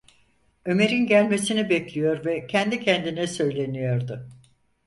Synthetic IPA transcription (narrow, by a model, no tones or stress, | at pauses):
ø̞me̞ɾinɟælʲme̞sinibɛclʲijo̞ɾvɛcʰɛnd̪icʰɛnd̪inɛsø̞jlʲe̞nijo̞ɾd̪ʊ